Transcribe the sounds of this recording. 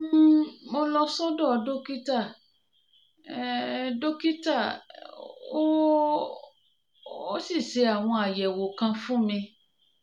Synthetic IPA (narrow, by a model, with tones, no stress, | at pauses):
m̩mo˧lɔ˧sɔ˦dɔ˦˨do˦ki˦ta˦˨˦ | do˦ki˦ta˦˨ | o˦ | o˦si˦˨ʃe˧˦a˨w̃ɔ̃˧a˨jɛ˨wo˨kã˧fũ˦mĩ˧